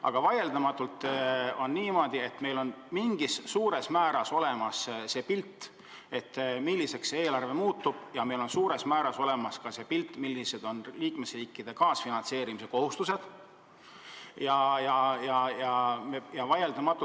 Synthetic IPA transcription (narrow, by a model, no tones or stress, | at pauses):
ʔɑ̰ɡ̥ɑvɑje̞ld̪ɑmɑt̪ːˑult̪ːˑo̞nːiːmo̞d̪̥ie̞t̪me̞jlo̞nmiŋɡ̥isːuːɾe̞smæːɾɑso̞le̞mɑsse̞ːpilt̪ːˑ | e̞t̪ːmilːise̞ksee̞ːlɑrve̞muːt̪ːˑub̥jɑme̞jlo̞nsuːɾe̞smæːɾɑso̞le̞mɑskɑse̞ːpilt̪ːˑmilːise̞d̪̥o̞nliːkme̞sriːkˑːid̪̥e̞kɑːsfinɑnt̪se̞ːɾimise̞ko̞hust̪use̞d̪̥ | jɑjɑjɑjɑmejɑvɑjeld̪̥ɑmɑt̪ːˑu